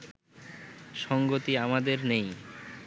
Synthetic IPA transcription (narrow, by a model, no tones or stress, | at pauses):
ʃɔŋɡot̪iamad̪eɾnej